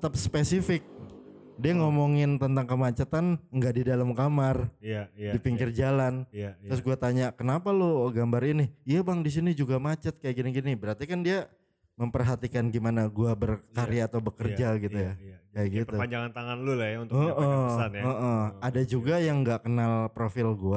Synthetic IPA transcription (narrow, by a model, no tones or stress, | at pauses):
t̪ət̪ap̚spesifɪk̚ | diaŋomoŋɪnt̪ənt̪aŋkəmat͡ʃat̪anŋɡaʔdidalamkamarjdipiŋkɪrd͡ʒalant̪ɾʊs̬ɡuat̪aɲakənapaloɡambaɾiniijabaŋdis̬inid͡ʒuɡamat͡ʃət̪̚kajaʔɡiniɡinibəɾart̪ikandia | məmpərɦat̪ikanɡimanaɡuabərkaɾijaːt̪awbəkərd͡ʒaɡit̪ujkajaʔɡitpəupaɲd͡ʒaŋant̪aŋanlulajaunt̪əʔəanəʔəadad͡ʒuɡajaŋɡaʔkənalpɾofɪlɡua